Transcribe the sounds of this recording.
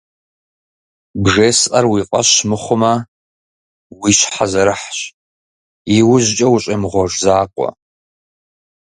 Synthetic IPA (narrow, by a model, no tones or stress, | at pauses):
bʐeːsʔɐrwiːqʼɐɕmɨχʷʊmɐ | wiːɕħazɐɾɨħɕ | iwʊʑt͡ʃʼɐwɕʼɐmʁʷɔʐzaːqʷʼɔ̰